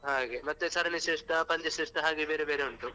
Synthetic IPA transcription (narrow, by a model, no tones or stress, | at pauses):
ɦaːɡemɐt̪ːesɐɾɐniʃeːʂʈɐpɐɲd͡ʒɐʃeːʂʈɐɦaːɡebeːɾebeːɾeuɳʈ̪u